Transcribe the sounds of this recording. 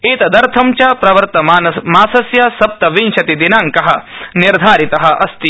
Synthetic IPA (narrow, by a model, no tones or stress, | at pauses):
iːt̪ɐd̪ɐɾt̪ʰɐmt͡ʃaːpɾɐʋɐɾt̪ɐmaːnɐmaːsɐsjɐsɐp̚t̪ɐʋinʃɐt̪id̪inaːŋkɐɦɐ̆niɾd̪ʱaːɾit̪ɐɦɐ̆ʔɐst̪i